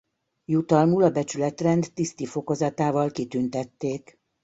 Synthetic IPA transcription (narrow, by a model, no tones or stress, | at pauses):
jut̪ɒlmulɒbɛt͡ʃylɛt̪rɛnd̪ːist̪ifo̞ko̞zɒt̪aːvɒlkit̪ynt̪ɛt̪ːeːk